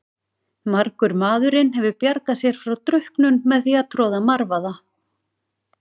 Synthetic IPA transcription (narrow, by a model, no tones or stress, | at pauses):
maɾkʏɾmaːðʏɾɪnɦɛvʏpjaɾkasjɛɾ̥fɾawt̪ɾʏhknʏnmɛðθiaðt̪ʰɾɔːðamaɾvaða